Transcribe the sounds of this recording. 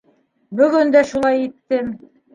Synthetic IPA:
bɵ̆ɡɵnd̪æʃulˠɑjit̪ːɘm

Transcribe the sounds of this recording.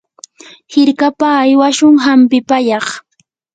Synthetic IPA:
hɪɾkapaːjwaʃʊŋɦampɪpajɑχ

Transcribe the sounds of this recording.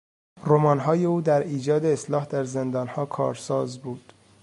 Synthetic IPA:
romɒːnɦɒːje̞uːd̪æɾiːd͡ʒɒːd̪eːslɒːhd̪æɾze̞nd̪ɒːnhɒːkʰɒ̰ːɾsɒːzbuːd̪̥

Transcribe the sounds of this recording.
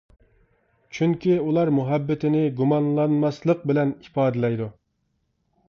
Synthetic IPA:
t͡ʃʰyŋkʲʰiulˠɑɾmuɦɛbːɪt̪ʰɪnɪɡumɑnlˠɑnmɑslˠəq̚bɪlɛnipɑːd̪ɪlɛjd̪u

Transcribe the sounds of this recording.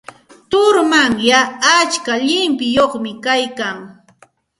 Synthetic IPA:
t̪ʊɾmaŋjaːt͡ʃkaʎɪmpɪjoχmɪkajkaŋ

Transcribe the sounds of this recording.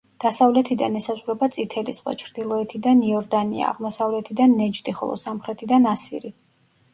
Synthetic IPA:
d̪̥asavlɛt̪ʰid̪a̰nɛsazʁuɾɛbat̪sʼit̪ʰɛlisʁwa̰t͡ʃʰɾd̪̥ilˠɔɛt̪ʰid̪aniɔɾd̪anḭa̰ːʁmɔsavlɛt̪ʰid̪anːɛd͡ʒt̪ʼiχɔ̰lˠɔ̰samχɾɛt̪ʰid̪anasḭɾi

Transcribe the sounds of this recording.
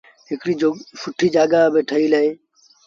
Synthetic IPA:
ekɾiːd͡ʒosʊʈʰiːd͡ʒaːɡabeːʈʰəiːləeː

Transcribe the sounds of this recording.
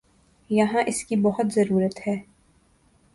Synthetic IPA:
jɐɦãʔɪskibɐɦʊt̪zɐɾuːɾət̪hɛː

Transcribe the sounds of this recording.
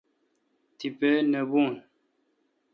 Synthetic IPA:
tipənəbun

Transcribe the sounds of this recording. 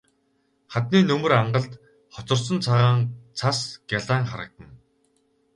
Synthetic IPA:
χat̪niːnɵmɵ̆raɴɢə̆ɮt̪ | χɔt͡sɞ̆rsə̆nt͡sʰaʁaːŋt͡sʰasɡ̥ʲjaɮaːŋχaɾə̆k̚t̪ə̆n

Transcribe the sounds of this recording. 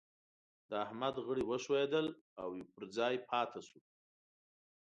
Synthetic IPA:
d̪əahmad̪ɣəɽiwəʃwed̪əl | awjepəɾd͡zɑjpʰɑt̪ʰasu

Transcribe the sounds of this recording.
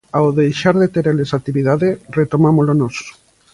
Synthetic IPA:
awðejʃaɾðet̪eɾelesat̪iβiðaðeret̪omamolonos

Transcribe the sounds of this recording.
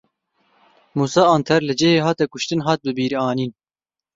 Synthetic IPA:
muːsɑːɑːnt̪ʰɛɾlɨd͡ʒeheːɦɑːt̪ɛkʊʃt̪ɨnɦɑːt̪̚bɨbiːɾiɑːniːn

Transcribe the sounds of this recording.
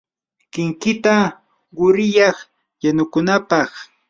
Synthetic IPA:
kɪŋkɪt̪a | ɢʊɾɪjɑχ | janʊkʊnapɑχ

